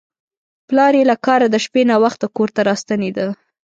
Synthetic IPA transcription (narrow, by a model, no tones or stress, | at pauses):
plɑɾelakɑɾad̪əʃpenawaxt̪akoɾt̪aɾɑst̪aned̪ə